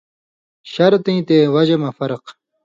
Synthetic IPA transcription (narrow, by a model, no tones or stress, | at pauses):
ɕɐɾt̪ĩt̪ewɐʑemɐfɐɾq